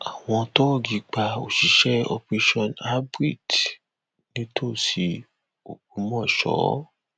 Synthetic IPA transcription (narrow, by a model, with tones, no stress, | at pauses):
a˨w̃ɔ̃˧to˦˨ɡi˧k͡pa˧o̰˨ʃi˨ʃɛ˦o̰˧pɾe˧ʃɔ˧na˦bɾi˦˨d | nĩ˦tʰo˦˨si˧ | o˨ɡ͡bũ˨˧˦mɔ̃˦˨ʃɔ̰˨˦